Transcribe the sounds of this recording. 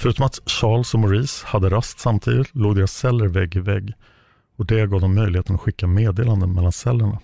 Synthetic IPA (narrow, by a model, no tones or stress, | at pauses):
fœɾʉ̟ːt̪ɔmat̪ɕɑːɭsɔmʊɾiːshad̪ːəɾast̪samt̪ʰḭːd̪ɪt̪loːɡd̪eːɾasːɛlːəɾvɛɡːɪvɛɡː | ɔd̪ɛɡɑːd̪ɔmːœjlɪheːt̪ənat̪ɧɪkːameːd̪eːland̪ənmɛlːansɛlːəɳa